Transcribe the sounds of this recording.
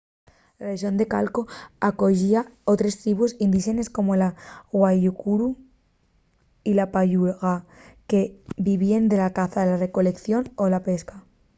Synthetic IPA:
laβes̬jo̞nd̪e̞ka̰lko̞ako̞ʝiao̞t̪ɾe̞st̪ɾiβusind̪iʃe̞ne̞sko̞mo̞laɣwaʝukuɾu | ilapaʝuɣake̞biβiend̪e̞lakaθaðelare̞ko̞le̞kθjo̞nolape̞ska

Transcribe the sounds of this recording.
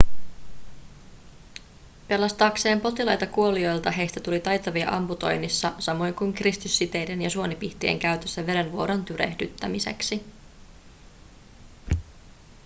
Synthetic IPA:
pe̞lɑst̪ɑːkse̞ːmpo̞t̪ilɑjt̪ɑkuo̞lio̞jlt̪ɑɦe̞jst̪æt̪ulit̪ɑjt̪ɑʋiɑ̰ʔɑmput̪o̞̰jnisːɑsɑmo̞jŋkujŋkrist̪ysːit̪e̞jde̞njɑsuo̞nipiht̪iḛŋkæɥt̪ø̞sːæʋe̞ɾe̞nʋoɾo̞nt̪yɾe̞̰hdyt̪ːæmise̞̰ksi

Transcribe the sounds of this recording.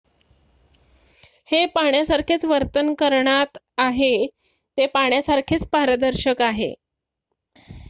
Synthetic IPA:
hepaɳjasaɾkʰet͡sʋəɾt̪ənkəɾɳat̪ | aɦe | t̪epaɳ̃jasaɾkʰet͡spaɾəd̪əɾɕəkaɦḛ

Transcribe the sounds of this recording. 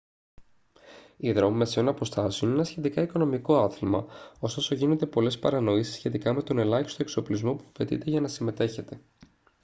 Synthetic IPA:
iðɾo̞mimeseo̞nɐpo̞st̪ɐseo̞nenɐsçe̞t̪ikɐiko̞no̞miko̞ɐθilmɐo̞st̪o̞so̞ʝinond̪e̞po̞le̞spɐɾɐno̞isi̥sçe̞t̪ikɐme̞t̪o̞ne̞lɐçi̥st̪oe̞kso̞plizmopu̥ɐfe̞t̪ḭt̪e̞ʝɐnɐsime̞t̪e̞çe̞t̪e̞

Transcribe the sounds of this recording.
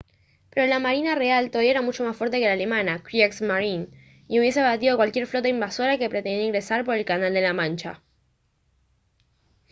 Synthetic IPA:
pe̞ɾo̞lamaɾinare̞alt̪oðaβjaeɾamut͡ʃo̞masfwe̞ɾt̪e̞ke̞lale̞mãnakɾiaksmaɾin | iuβje̞seβat̪iðo̞kwalkje̞ɾflo̞t̪aimbaso̞ɾake̞pɾet̪end̪jaiŋɡɾe̞saɾpo̞ɾe̞lkanald̪e̞lamãnt͡ʃa̰

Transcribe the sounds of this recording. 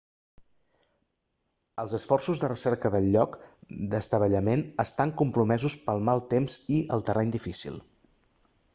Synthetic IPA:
əlˠzəsfɔrsuzðərəsɛɾkəðəlˠːɔkd̪əst̪əβəʎəmenəst̪aŋkumpɾumɛzuspəlˠmalˠt̪emz̥iəlˠt̪ərʔɛɲd̪ifisḭlˠ

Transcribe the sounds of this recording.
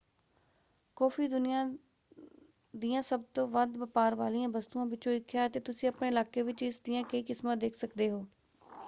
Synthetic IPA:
kɔːpʰiːd̪ʊnɪjãː | d̪ɪjãːsəb̚t̪õːʋəd̪ʋəpaːɾʋaːliːãːbəst̪uːãːʋɪt͡ʃõːɪkʰːjaːət̪eːt̪ʊsĩːəpɳeːɪlaːkeːʋɪt͡ʃɪsd̪ɪjãːkəiːkɪsmãd̪eːkʰsəkd̪eːɦoː

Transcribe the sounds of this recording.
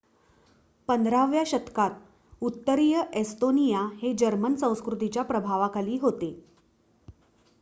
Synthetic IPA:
pənd̪ʱɾaʋjaɕət̪kat̪̚ | ut̪ːəɾijəʔest̪onijahed͡ʑəɾmənsə̃w̃skɾut̪it͡ɕjapɾəbʱaʋakaliːɦot̪e

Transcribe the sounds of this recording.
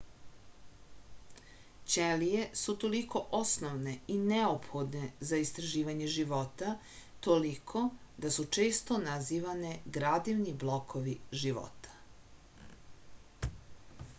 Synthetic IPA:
t͡ɕelije̞sut̪o̞liko̞ʔosnoʋne̞ineopxo̞d̪ne̞zaist̪ɾaʒiːʋaɲe̞ʒiʋo̞t̪a | t̪o̞likʰo̞d̪asut͡ʃe̞ːst̪o̞naziːʋaneɡɾad̪iʋniblˠo̞kʰoʋiʒiʋo̰t̪ḁ

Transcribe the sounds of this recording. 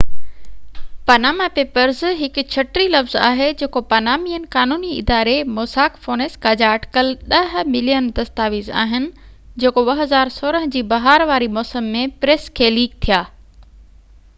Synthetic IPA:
pɐnaːmapeːpəɾzɦɪkʊ̆t͡ɕʰɐʈɾilɐfza̰ːɦed͡ʑeːkopɐnaːmijənɪ̆kaːnuːniɪ̰d̪aːɾemoːsaːkfoːneːskaːd͡ʑaʈɪ̥kəlɗɐɦmɪlijənd̪ɐst̪aːʋiza̰ːɦɪnɪ̆ | d͡ʑeːkobɐɦɐzaːɾsoːɾəɦd͡ʑiːbɐɦaːɾʋaːɾimɔːsəmːẽpɾeːskʰeːliːkt̪ʰijaː

